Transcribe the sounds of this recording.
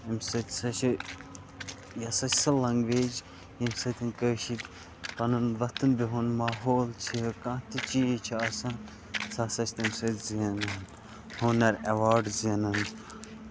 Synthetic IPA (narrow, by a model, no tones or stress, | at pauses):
imʲsɐt̪ʲsɐt͡ʃʰi | jɐsɐt͡ʃsɐlɐŋɡʋeːd͡ʒ | ɐmʲsɐt̪ʰinkəːʃit̪ʲ | pɐnɐnʋɐt̪ɨnbiɦonmaːɦoːlt͡ʃʰikãːt̪it͡ʃit͡ʃʰiɐsɐn | saːsɐt͡ʃʰt̪ɐmʲsɐt̪ʲziɐnɐn | honɐɾɐʋaːɾɖziɐnɐn